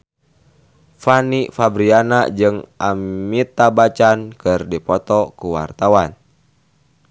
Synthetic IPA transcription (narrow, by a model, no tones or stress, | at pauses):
fanifabɾianad͡ʒɨŋʔamit̪abat͡ʃankɨrdipɔt̪ɔkuwa̰rt̪awan